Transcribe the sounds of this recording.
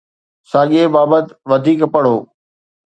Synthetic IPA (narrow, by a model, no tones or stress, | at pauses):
saːɠebaːbət̪ʋɐd̪ʱiːkpɐɽ̤oː